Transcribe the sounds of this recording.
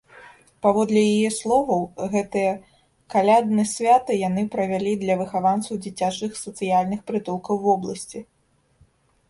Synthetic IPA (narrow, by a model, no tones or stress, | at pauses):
pavɔd̪lʲɛjajɛslˠɔvɐwɣɛt̪ɨjɐ | kalʲad̪nɨsʲvʲat̪ɨjanɨpɾɐvʲalʲid̪lʲɐvɨxavansɐwd͡zʲit͡sʲat͡ʂɨxsɐt̪sɨjalʲnɨxpɾɨt̪ulˠkɐwvɔblˠɐsʲt͡sʲi